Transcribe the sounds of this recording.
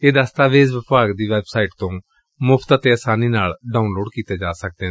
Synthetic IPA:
eːd̪ast̪aːʋeːzʋɪpaːɡd̪iːʋɛːbsaːiʈt̪õː | mʊpʰt̪at̪eːəsaːniːnaːlɖaːunloːɖkiːt̪eːd͡ʒaːsək̚d̪eː

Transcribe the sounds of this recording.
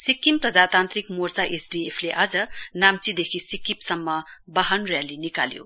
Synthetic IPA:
sikːimprʌd͡zat̪ant̪ɾikmort͡saʔesɖiepʰleʔad͡zʌnamt͡sid̪ekʰisikːipsʌmːʌbaɦʌnrjalinika̰ljo̰

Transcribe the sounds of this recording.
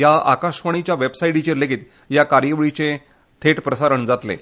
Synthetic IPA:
jaa̰kaɕʋaɳ̃it͡ɕjaʋebsaiɽit͡ɕeleɡiːt̪ | jakaɾjəʋɭit͡sẽ | t̪ʰeʈpɾəsaɾəɳd͡zat̪lḛ

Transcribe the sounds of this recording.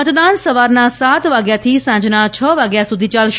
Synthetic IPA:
ət̪d̪ansəʋaɾnasat̪ʋaɡjat̪ʰisãd͡ʒnat͡ʃʰəʋaɡjasud̪ʱit͡ʃalʃ

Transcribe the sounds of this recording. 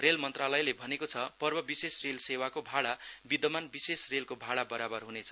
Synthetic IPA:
relmʌnt̪ralʌjlebʱʌnekot͡sʰʌpʌrbʌbisesrelsewakobʱaɽabid̪ʌmanbisesrelkobʱaɽabʌɾabʌrɦunet͡sʰʌ̥

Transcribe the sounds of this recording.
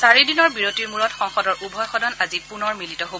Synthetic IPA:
saɹidinɔɹbiɹotiɹmuɹɔtxɔŋxɔdɔɹʔubʱɔjxɔdʱɔnazipunɔɹmilitɔɦobɔ

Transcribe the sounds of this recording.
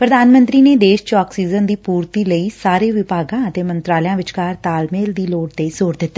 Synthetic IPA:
pɾəd̪aːnmə̃nt̪ɾiːneːd̪eːʃt͡ʃaːksiːzənd̪iːpuːɾt̪iːləiːsaːɾeːʋɪpaːɡãːət̪eːmə̃nt̪ɾaːljãːʋɪt͡ʃkaːɾt̪aːlmeːld̪iːloːɖt̪eːzoːɾd̪ɪt̪ːeː

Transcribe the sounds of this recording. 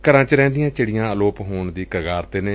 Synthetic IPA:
kəɾãːt͡ʃəɾɛ̃ːnd̪ɪjãːt͡ʃəɽɪjãːəloːpɦoːɳd̪iːkɾəɡaːɾt̪eːneː

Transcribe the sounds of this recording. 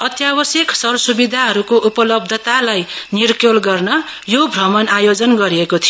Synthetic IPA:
ʌt̪jabʌsjeksʌrsubid̪ʱaɦʌɾukoʔupʌlʌbd̪ʱʌt̪alajnirkjolɡʌrnʌ | jobʱrʌmʌnajod͡zʌnɡʌɾiekot̪ʰi

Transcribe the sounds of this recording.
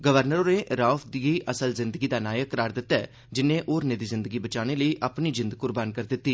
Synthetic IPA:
ɡəʋəɾnəɾoːneːɾaːfʰd̪iːʔəsəlzɪnd̪əɡiːd̪aːnaːjəkːəɾaːɾd̪ɪt̪ːɛː | d͡ʒɪnːẽːʔoːɾneːd̪iːzɪ̃nd̪əɡiːbət͡ʃaːñeːləiːʔaːpniːd͡ʒɪ̃nd̪kʊɾbaːnkəɾd̪ɪt̪ːiː

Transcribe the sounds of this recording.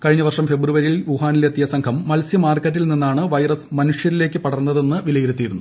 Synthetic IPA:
kɐɻiɲːɐʋɐrʂɐmfe̞bruʋɐɾilʋuɦaːnilet̪ːijɐsɐŋkʰɐmːɐlsjɐmaːrkːɐtːilninːaːɳɨʋɐjrɐsmɐnuʂjɐɾile̞ːkːɨpɐɽɐrnːɐðe̞nːɨʋilɐjiɾut̪ːijːɾunːu

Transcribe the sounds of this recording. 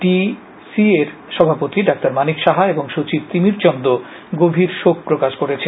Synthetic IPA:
ʈi | sieɾʃɔbʱapot̪iɖak̚t̪aɾmanikʃaɦaeboŋʃot͡ɕib̚t̪imiɾt͡ɕɔnd̪o | ɡobʱiɾʃok̚pɾokaʃkoɾet͡ɕʰe

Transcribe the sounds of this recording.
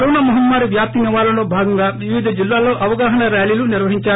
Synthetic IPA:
ɾoːnaːmuɦɐmːaːɾiʋjaːp̚t̪iniʋaːlɐloːbʱaːɡɐŋɡaːʋiʋid̪ʱɐd͡ʒilːaːlo̞ːʔɐʋɐɡaːɦɐɳɐɾjaːliːluniɾʋɐɦiɲt͡ʃaː

